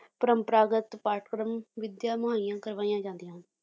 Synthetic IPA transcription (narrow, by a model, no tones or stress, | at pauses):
pəɾəmpəɾaːɡət̪paːʈkɾəmʋɪd̪jaːməɦaːijãːkəɾʋaːijãːd͡ʒãːnd̪ijãː